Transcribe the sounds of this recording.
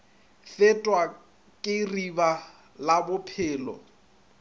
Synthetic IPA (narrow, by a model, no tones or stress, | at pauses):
fɪtʼwa | kʼɪriba | labʊpʰɪːlɔ̰